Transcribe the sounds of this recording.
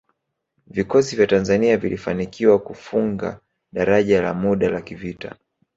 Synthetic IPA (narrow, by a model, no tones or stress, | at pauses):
vikɔsivjatanzaniavilifanikiwakufuŋɡa̰ | ɗaɾaʄala̰muɗalakivita̰